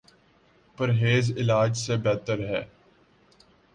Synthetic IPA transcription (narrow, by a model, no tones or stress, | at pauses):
pəɾɦeːzɪlaːd͡ʒsebɛːt̪əɾɦɛː